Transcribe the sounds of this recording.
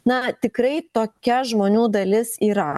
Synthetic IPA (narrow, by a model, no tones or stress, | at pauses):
nɐt̪ʲɪkɾɐɪt̪oːkʲɛʒmoːnʲuːd̪ɐlʲɪsiːɾɐ